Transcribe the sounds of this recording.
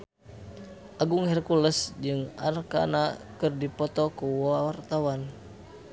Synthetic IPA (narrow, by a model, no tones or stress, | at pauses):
ʔaɡuŋhɛrkuləsd͡ʒɨŋa̰rka̰nakɨrdipɔt̪ɔkuwawart̪awan